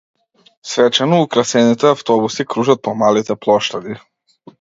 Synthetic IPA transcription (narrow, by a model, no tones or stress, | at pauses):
svɛt͡ʃɛnɔukɾasɛnit̪ɛaft̪ɔbusikɾuʒat̪̚pɔmalit̪ɛplˠɔʃt̪ad̪i